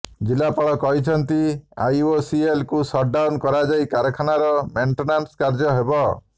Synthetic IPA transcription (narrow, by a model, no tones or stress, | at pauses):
d͡ʒilapaɭɔkɔɦit͡ʃʰɔnt̪ia̰josielkusɔʈ̚ɖawnkɔɾad͡ʒajkaɾɔkʰanaɾɔmeɳʈenanskaɾd͡ʒɔɦebɔ